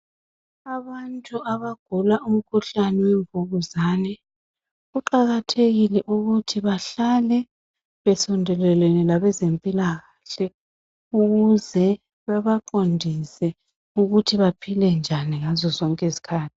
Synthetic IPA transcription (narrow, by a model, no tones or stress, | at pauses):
aβantʼuʔaβaɡ̥ʱulaʔum̩kʰuɬanɛwɛɱvʱuɣuzaːnɛ | ɣuǃaɣatʰeɣilɛʔuɣutʰiβaɬalɛ | βɛsɔndʱɛlɛlɛnilaβɛzempʼilaɣaɬɛ | uɣuzɛ | βaβaǃondʱisɛ | uɣutʰiβapʰilɛnd͡ʒʱaniŋazɔzɔŋkʼɛzi̥kʰaːtʰi̥